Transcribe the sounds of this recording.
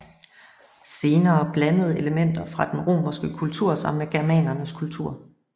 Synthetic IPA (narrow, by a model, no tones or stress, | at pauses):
se̝ːnɐːb̥lænəð̞̩ˠe̝ləmen̰d̥ɐfʁɑ̈d̥enʁo̝̰ːmɐsɡ̥əkʰult͡sʰuɐ̰sɒ̽mmeɡ̥æɐmɛ̰ːnɐnəskʰult͡sʰuɐ̰